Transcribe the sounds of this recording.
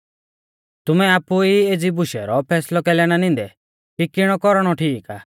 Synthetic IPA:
t̪ʊmɛaːpuied͡zibʊʃɛ̰ɾɔpʰɛːslɔkɛlɛɽ̃anɪ̃n̆d̪ɛ | kikɪɽ̃ɔkɔɾɽ̃ɔʈʰiːka̰ː

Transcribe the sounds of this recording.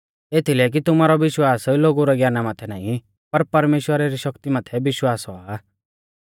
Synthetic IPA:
et̪ʰilɛk̬it̪ʊmaːɾɔʋɪʃwaːsloːɡuɾɔɡjaːnamaːt̪ʰɛna̰ːĩ | pɐɾpɐɾmeːʃwəɾaɾiʃɐkt̪imaːt̪ʰɛbɪʃwaːsɔa

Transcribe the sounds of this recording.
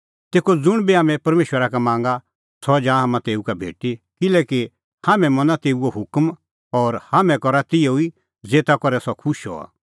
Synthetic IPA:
t̪eːkod͡zʊɽ̃biɦaːmɛ̃pɐɾmeːʃwəɾakamãːŋ̆ɡa | sɔd͡ʒãːɦamãt̪eːukabʱḛːʈikɪlɛːki | haːmɛ̃mɐnat̪eːuoɦʊkm | ɔːɾhaːmɛ̃kɔɾat̪ɪjoi | d͡zeːt̪akɔɾɛsɔkʰʊʃɦɔ̰a̰ː

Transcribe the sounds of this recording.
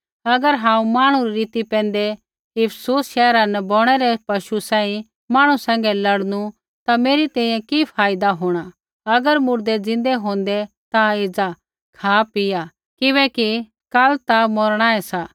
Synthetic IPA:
ɐɡəɾɦãːũmaːɽ̃ũɾiɾiːt̪ipɛ̃ːnd̪ɛ | ɪpʰsuːsʃɛːɾanɛbɔːɽ̃ɛɾɛpɐʃusãːĩ | maːɽ̃usɛ̃ːŋɡɛlɐɽnu | t̪ameːɾit̪ɛ̃ːĩjɛ̃kipʰaːjɪd̪aɦoːɽ̃a | ɐɡəɾmʊɾd̪ɛd͡zɪ̃nd̪ɛɦõːn̆d̪ɛ | t̪aɪd͡za | kʰaːpɪja | kɪβɛːki | kalt̪amoɾɽ̃aːɛsa

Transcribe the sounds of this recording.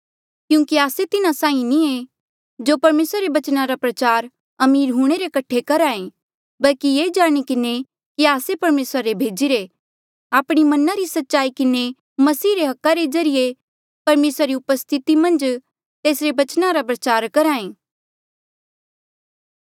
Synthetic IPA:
kjũːkiaːset̪ɪnasãːĩnie | d͡ʒoːpɐɾmeːsɾaɾebɐt͡ʃnaɾapɾɐt͡ʃaːɾ | ɐmiːɾɦuɽ̃eɾekɐʈʰekɐɾaːẽ | bɐlkijeːd͡ʒaːɽ̃ikɪne | kiaːsepɐɾmeːsɾaɾebʱeːd͡ʒiɾe | aːpɽ̃imɐnaɾisɐtːʃaːikɪne | mɐsiːɾeɦɐkːaɾezɐɾije | pɐɾmeːsɾaɾiʊpəst̪ʰɪt̪imɐ̃nd͡ʒ | t̪eːsɾebɐt͡ʃnaɾapɾɐt͡ʃaːɾkɐɾãːẽː

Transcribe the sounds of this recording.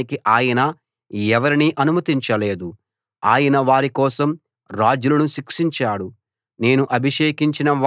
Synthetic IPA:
ikiʔaːjɐnɐ | ɛʋɐɾiniʔɐnumɐt̪iɲt͡ʃɐle̞ːd̪u | aːjɐnɐʋaːɾikɔːsɐm | ɾaːd͡ʒulɐnuʃikʂiɲt͡ʃaːɽu | ne̞ːnuʔɐbʱiʂeːkiɲt͡ʃinɐʋa

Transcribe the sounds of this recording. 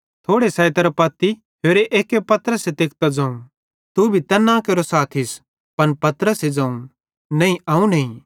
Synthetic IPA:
t̪ʰoːɽesɐːet̪ɐɾɐpɐt̪ːi | ɦeːɾeʔeːkːepɐt̪əɾəset̪eːk̚t̪ad͡zɐ̃ːũ | t̪ubʱit̪ɐnːãkeːɾosaːt̪ʰɪs | pɐnpɐt̪ɾəsed͡zɐ̃ːũ | nɐ̃ĩɐːũnɐĩ

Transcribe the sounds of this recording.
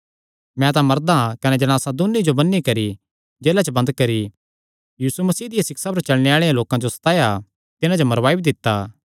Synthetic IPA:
mɛ̃t̪̬ãmɐɾd̪ãkɐnɛd͡ʒɐñaːsãd̪ʊnːid͡ʒobɐnːikɐɾi | d͡ʒeːlat͡ʃəbɐ̃nd̪kɐɾi | jiːsumɐsiːd̪ɪjasɪksap̬ɐɾt͡ʃɐɭneaːɭejãloːkãd͡ʒosɐ̥t̪aːja | t̪ɪnãd͡ʒomɐɾʋaːibid̪ɪt̪ːaː

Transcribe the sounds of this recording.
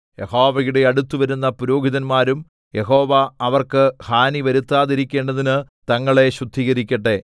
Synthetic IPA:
jeho̞ːʋɐjuɽe̞ɐɽut̪ːuʋɐɾunːɐpuɾo̞ːɡʱiðɐnmaːɾum | je̞ɦo̞ːʋɐɐʋɐrkɨhaːniʋɐɾut̪ːaːðiɾikʲːe̞ːɳɖɐðinɨ | t̪ɐŋːɐɭe̞ɕud̪ʱːiːɣɐɾikʲːɐʈːe̞

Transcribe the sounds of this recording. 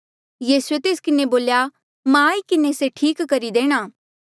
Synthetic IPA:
jiːsuet̪eːskɪneboːlja | mãːikɪneseʈʰiːkːɐɾid̪eːɽ̃aː

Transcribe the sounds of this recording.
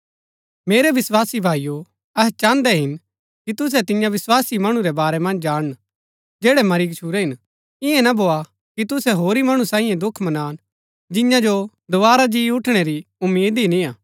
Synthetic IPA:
meːɾɛʋɪswaːsibʱaːijo | ɛɦt͡ʃãːnd̪ɛɦɪn | kit̪ʊs̬ɛt̪ɪ̃jãʋɪswaːsimɐɽ̃ũɾɛbaːɾɛmɐ̃nd͡ʒd͡ʒaːɽ̃ə | d͡ʒɛːɽɛmɐɾiːɡt͡ʃʰuːɾɛɦɪn | ɪɛ̃nabʱoːa | kit̪ʊsɛɦoːɾimɐɽ̃ũsãːĩjɛ̃d̪ʊkʰmɐnaːn | d͡ʒɪ̃jãd͡ʒo | d̪oʋaːɾad͡ʒiːʊʈʰɽ̃ɛɾiʊmːiːd̪inĩaː

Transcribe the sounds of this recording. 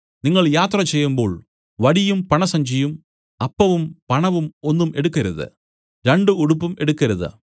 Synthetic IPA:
niŋːɐɭjaːt̪rɐt͡ɕejːumbo̞̰ːɭ | ʋɐɽijumpɐɳɐsɐɲd͡ʑijum | ɐpːɐʋumpɐɳɐʋumo̞nːume̞ɽukːɐɾuðɨ̰ | ɾeɳɖɨuɽupːume̞ɽukːɐɾuðɨ̰

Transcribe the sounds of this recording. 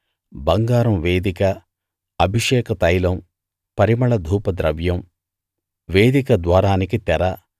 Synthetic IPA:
bɐŋɡaːɾɐmʋeːd̪ikɐː | bʱiʂɛːkɐt̪ɐjlɐm | pɐɾimɐɭɐd̪ʱuːpɐd̪ɾɐʋjɐm | ʋeːd̪ikɐd̪ʋaːɾaːnikit̪ɛɾɐ

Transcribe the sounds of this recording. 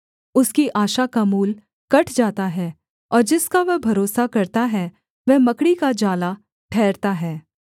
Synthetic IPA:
ʊskiʔaːʃakamuːl | kɐʈʰd͡ʒaːt̪aɦɛː | ɔːɾd͡ʒɪskaʋɐɦbʱɐɾoːsakɐɾt̪aɦɛ | ʋɛmɐkɽikad͡ʒaːla | ʈʰɛːɾt̪aɦɛː

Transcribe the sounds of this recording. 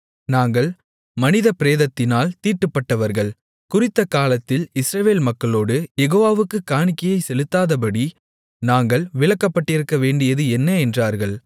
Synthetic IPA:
naːŋɡɐɭ | mɐnɪðɐpɪɾeːðɐt̪ːɪnaːlt̪iːʈːɯpːɐʈːɐʋɐɾɣɐɭ | kʊrɪt̪ːɐkaːlɐt̪ːɪlɪsɾɐʋeːlmɐkːɐɭoːɽɯjɛɣoːʋaːʋɯkːɯkaːɳɪkːɐjɐɪsɛlɯt̪ːaːðɐpɐɽi | naːŋɡɐɭʋɪɭɐkːɐpːɐʈːɪɾɯkːɐʋeːɳɖɪjɐðɯɛnːɐɛndraːɾɣɐɭ

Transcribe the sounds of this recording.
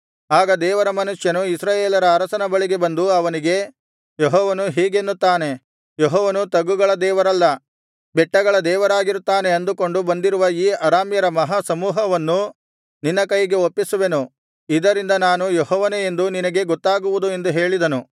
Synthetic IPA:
aːɡɐd̪ɛːʋɐɾɐmɐnuʂjɐnuisɾaːjeːlɐɾɐːɾɐsɐnɐbɐɭiɡe̞bɐnd̪uɐʋɐniɡe̞ | jeɦɔːʋɐnuɦiːɡe̞nːut̪ːaːne̞ | jeɦɔːʋɐnut̪ɐɡuɡɐɭɐd̪ɛːʋɐɾɐlːɐ | bɛʈːɐɡɐɭɐd̪ɛːʋɐɾaːɡiɾut̪ːaːne̞ɐnd̪uko̞ɳɖubɐnd̪iɾuʋɐiːɐɾaːmjɐɾɐmɐɦasɐmuːɦɐʋɐnːu | ninːɐkɐjiɡe̞opːisuʋe̞nu | id̪ɐɾind̪ɐnaːnujeɦɔːʋɐneend̪uninɐɡe̞ɡɔt̪ːaːɡuʋud̪ue̞nd̪uɦe̞ːɭid̪ɐnu

